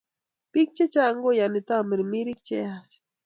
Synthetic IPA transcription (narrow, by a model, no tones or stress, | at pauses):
pik̚t͡ʃet͡ʃaŋɡojanit̪amiɾmiɾik̚t͡ʃeat͡ʃ